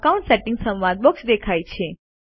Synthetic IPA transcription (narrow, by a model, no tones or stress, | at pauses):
kaũɳʈseʈɪ̃ŋɡsə̃mʋãd̪̚bɔksd̪ekʰajt͡ʃʰe